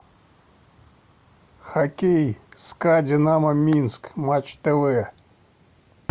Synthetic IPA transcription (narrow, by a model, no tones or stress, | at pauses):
xakʲejskadʲenamɐmʲinskmat͡ʃt̪ɛvɛ